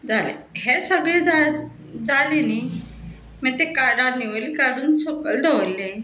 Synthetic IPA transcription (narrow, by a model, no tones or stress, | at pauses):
d͡zalḛɦesəɡɭed͡za | d͡zaleni | mɛt̪ekaɾaniʋəɾikaɽuːnsokəld̪ʱeʋəlːe